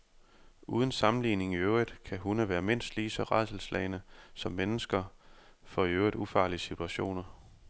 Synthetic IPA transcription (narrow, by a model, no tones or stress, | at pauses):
ʔuːð̞ˠən̩sɑ̈mn̩liːne̝ŋiøʊʁid̥ˠkʰæɦunəʋæːɐme̝n̰sd̥liːsɒ̽ʁɑðsl̩slɛ̰ɪnəsɒ̽mːenəsɡ̥ɐfɒ̽iøʊid̥ufɑ̈ːliəsit͡sʰuæɕo̝̰ːnɐ